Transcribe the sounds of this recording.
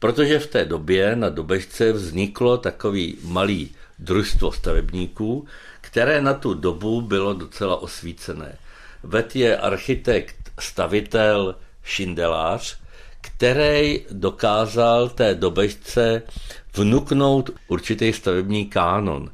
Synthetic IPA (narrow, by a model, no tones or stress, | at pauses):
pɾo̞t̪o̞ʒɛft̪ɛːdo̞bjɛnado̞bɛʃt͡sɛvzɲɪklo̞t̪ako̞viːmaliːd̪ɾuʃst̪vo̞̰st̪avɛbɲiːkuː | kt̪ɛɾɛːnat̪udo̞bubɪlo̞do̞t͡sɛlaʔo̞sviːt͡sɛnɛ̰ːvɛt̪jɛʔa̰ɾxɪt̪ɛkt̪st̪avɪt̪ɛl | ʃɪndɛlaːr̝̥ | kt̪ɛɾɛjdo̞kaːzalt̪ɛːdo̞bɛʃt͡sɛvnukno̞wt̪ʔuɾt͡ʃɪt̪ɛjst̪avɛbɲiːkaːno̞̰n